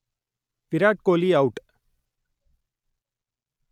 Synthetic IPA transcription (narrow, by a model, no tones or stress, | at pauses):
pɪɾaːʈ̚koːliɐʊʈ